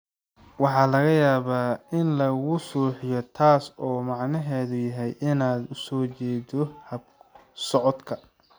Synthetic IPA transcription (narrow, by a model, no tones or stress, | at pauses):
wɑħɑːlɐɣɐjaːβaːɪnlɐɣʊsuːħɪjɔt̪ʰaːsɔːmɑʕnɐɦɛːðʊjɐɦɛjʔɪnaːd̪ʊsɔːt͡ʃɛːd̪ɔhɐb̚sɔʕɔd̪kʰɐ